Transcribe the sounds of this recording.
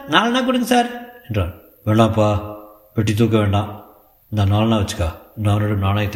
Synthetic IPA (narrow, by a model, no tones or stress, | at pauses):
naːlɐnaːk̬ʊɽɯŋɡɯsaːɾɛɳdraː | ʋeːɳɖãːpːaː | ʋɛʈ̬ːit̪̬uːk̬ːɐʋeːɳɖãː | ɪnd̪aːnaːlɐnãːʋɐt͡ʃːɯ̥kːaːnaːnoɽɯnaːnaːjt̪ː